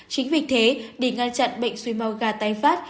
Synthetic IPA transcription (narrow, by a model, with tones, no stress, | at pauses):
t͡ɕï˨˦ŋ̟vwi˨˩k̚t̪ʰe˨˦ɗe˧˩ŋa˧nt͡ɕa̰˧˨nɓə̰˧˨jŋ̟swi˧ma˧wɣaː˧˩t̪aː˧˩jfaː˦˥t̚